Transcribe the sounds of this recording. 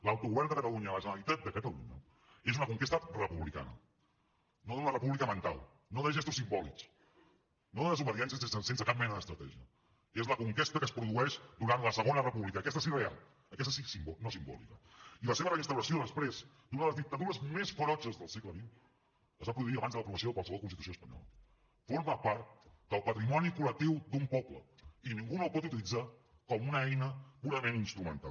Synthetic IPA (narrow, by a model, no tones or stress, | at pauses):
lawt̪uɣuβɛrnd̪əkət̪əluɲələʒənəɾəlit̪at̪̚d̪əkət̪əlṵɲə̰ | ezunəkuŋkest̪ərəpuβlika̰nə̰ | noðənərəpuβlikəmənt̪a̰lˠ | noðəʒɛst̪usimbɔlḭks | noðəðəzuβəðiɛnsiəsenssensəkap̚mɛnəðəst̪ɾət̪ɛʒiə | ezləkuŋkest̪əkəspɾuðuɛʃd̪uɾanləsəɣ̞onərəpuβlikəkɛst̪əsirea̰lˠ | əkɛst̪əsisimbɔnosimbɔ̰lḭkəiləseβərəinst̪əwɾəsioðəspɾez | d̪unəðələzðik̚t̪əðuɾəzmesfoɾɔd͡ʒəzðəlˠsɛkləβiw | əzβapɾuðuiəβanzðəəpɾuβəs̬oðəkwalsəβɔlˠkunst̪it̪usioəspəɲɔ̰lə̰ | foɾməpaɾt̪̚d̪̥əlˠpət̪ɾimɔnikulək̚t̪iwd̪umpɔpləiniŋɡunowpɔt̪ut̪̬ilid͡za | kɔmunəɛjnəpuɾəmẽninst̪ɾumənt̪a̰l